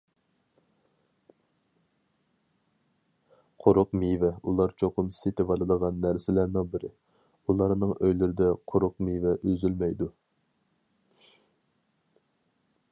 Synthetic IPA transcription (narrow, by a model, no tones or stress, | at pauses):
qʰoɾʊqmivɛulˠɑɾt͡ʃʰoqʰʊmsɪt̪ʰɪbɑlˠɨd̪əʁɑnːæɾsɪlæɾnɪŋbɪɾɪ̰ | ulˠɑɾnɨŋøjlyɾɪd̪ɛqʰoɾʊqmivɛʔøzylmɛjd̪u